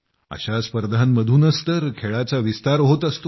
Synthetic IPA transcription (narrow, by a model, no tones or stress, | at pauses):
ə̰ɕaspəɾd̪ʱanməd̪ʱuːnəst̪əɾkʰeɭat͡saʋist̪aɾɦot̪əst̪o